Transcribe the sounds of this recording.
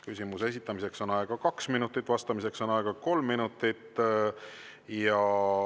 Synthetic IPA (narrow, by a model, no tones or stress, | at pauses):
kysʲimuses̬ʲit̪ːˑɑmise̞kso̞nɑeɡ̥ɑkɑksminut̪ːˑit̪ːˑvɑst̪ɑmise̞kso̞nɑeɡ̥ɑko̞lmːinut̪ːˑit̪ː | jɑ